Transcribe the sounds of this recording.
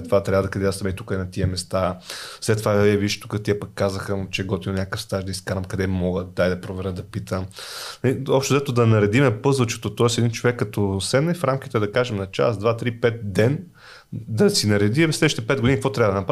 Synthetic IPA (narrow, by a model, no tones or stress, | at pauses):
ɛt̪ːovat̪ɾʲabəd̪ɐkɐd̪ɛasmɛit̪ukəɛnɐt̪iəmɛst̪aslɛt̪ːovaiɛviʃt̪u̥kət̪iɛpəkːazəxət͡ʃɛɡɔt̪id̪onʲakəfst̪aʒd̪ɐiskaɾɐmkɐd̪ɛmɔɡət̪̚d̪ajd̪ɐpɾovɛɾət̪̚d̪ɐpit̪ʰəmnliɔpʃt̪ozɛt̪od̪ɐnɐɾɛd̪imɛpɤzvɐt͡ʃɛ̥t̪ot̪ɔɛsɛd̪int͡ʃovɛkːɐt̪ɔsɛmnɛfɾamkit̪ɛd̪ɐkaʒɛmnɐt͡ʃa̰sd̪vat̪ɾipɛt̪̚d̪ɛn | d̪ɐsinɐɾɛd̪iɛvɛslɛʃt̪ɛpɛd̪̚ɡod̪inikfɔt̪ɾʲabəd̪ənɐpɾa